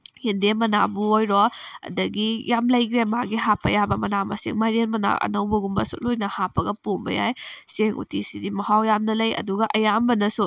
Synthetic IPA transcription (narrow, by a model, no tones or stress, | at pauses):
hindemɐna̰buojɾoɐ̰dɐɡijamlɐjɡɾemaɡiɦapʰːɐjabɐmɐnamɐ̰sḛŋmajɾenmɐna̰ʔɐ̰nɐwbɐɡumbɐsṵt̚lojnɐhapʰɐɡɐpombɐ̰ja̰jseŋʔṵtisidimɐhawjamnɐlɐjɐ̰duɡɐʔɐjambɐnɐsu